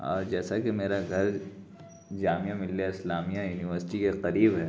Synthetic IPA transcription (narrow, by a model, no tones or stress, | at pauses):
ɔ̰ːɾd͡ʒɛːsakemeːɾaɡʱɐɾ | d͡ʒaːmijãmɪlːeɪslaːmijãjuːnɪʋəɾsɪ̥ʈikeqɐɾiːbɦɛː